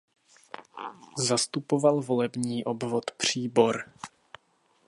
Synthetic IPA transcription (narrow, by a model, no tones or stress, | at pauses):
zast̪upo̞valvo̞lɛbɲiːʔo̞bvot̪pr̝̥iːbo̞ɾ